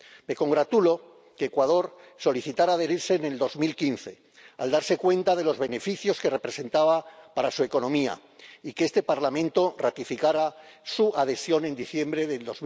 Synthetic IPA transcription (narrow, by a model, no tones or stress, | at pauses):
me̞ko̞ŋɡɾat̪ulo̞ | keːkwað̞o̞ɾso̞liθit̪aɾaːðe̞ɾiɾse̞ːne̞ld̪o̞zmilkinθe̞ | a̰ld̪aɾse̞kwe̞nt̪aðe̞lozβe̞ne̞fiθjo̞ske̞re̞pɾe̞se̞nt̪aβapaɾasue̞ko̞nõ̞mia̰ | ikeest̪e̞paɾlamẽ̞nt̪o̞rat̪ifikaɾasuað̞e̞sjo̞ne̞nd̪iθje̞mbɾe̞ðe̞ld̪o̞z